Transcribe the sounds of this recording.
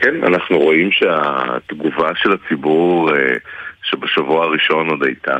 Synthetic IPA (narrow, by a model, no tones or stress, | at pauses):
kɛna̰naχnuʁo̞imʃea̰t̪ɡuvaʃelat͡sibuʁeʃebeʃavuaaʁiʃo̞nod̪ajt̪ʰa̰